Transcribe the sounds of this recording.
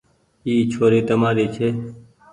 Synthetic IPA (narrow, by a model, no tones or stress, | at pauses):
iːt͡ʃʰoːɾiːt̪əmaːɾiːt͡ʃʰeː